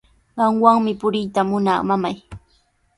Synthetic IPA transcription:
ɢɑŋwaŋmɪpʊɾɪjt̪amʊnaːmamaj

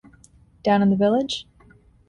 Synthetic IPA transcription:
d̥ãʊ̃ñə̃nðəvɪlˠɪd̥ʒ̥

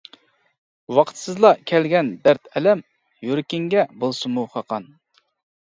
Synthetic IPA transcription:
wɑqʰt̪sɨzlˠɑkʲʰɛlɡʲɛnd̪æɾt̪ʰɛlɛm | joɾkʲɪŋɡʲɛbolˠsɨmuqʰɑqʰɑn

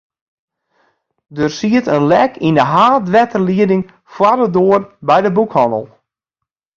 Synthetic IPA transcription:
dərsiətənlɛkʰindəɦaːdʋɛtəliədɪŋ | fwadədoərbɛjdəbukhɔnə̰lˠ

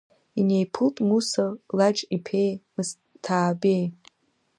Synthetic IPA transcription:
ine̞jpʰɨltʼmusalaʈ͡ʂʼipʰe̞jmɨs | tʰaːbe̞j

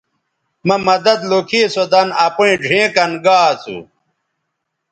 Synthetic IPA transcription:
mɐmɐd̪ɐd̪lokʰiːsod̪ɐnɐpuĩɖʱẽːkɐnɡaːt͡sṵ

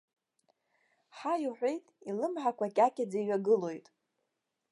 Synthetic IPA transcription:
ħajuħᶣʷe̞jtʼilɨmħakʷakʲʼakʲʼad͡zaiɥaɡɨlo̞jtʼ

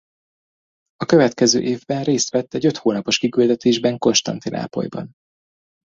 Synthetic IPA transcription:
ɒkø̞vɛt̪kɛzøːʔeːvbɛnreːst̪ʋɛt̪ːɛɟø̞t̪hoːnɒpo̞ʃkikyld̪ɛt̪eːʒbɛŋko̞nʃt̪ɒ̰nt̪inʔa̰ːpo̞̰jbɒ̰n

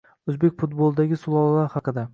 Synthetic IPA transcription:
ɵzbekʲfʊt̪̚bolˠd̪aɡʲɪsʊlˠɒlˠːaɾhɑqɨd̪a

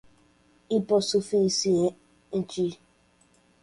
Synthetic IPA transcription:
ipɔsufisie | n̩t͡ʃi

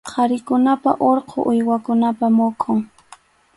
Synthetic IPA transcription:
qʰɑɾɪkʊnapaʔoɾqʰo̰ʔʊjwakʊnapamʊkʼoŋ

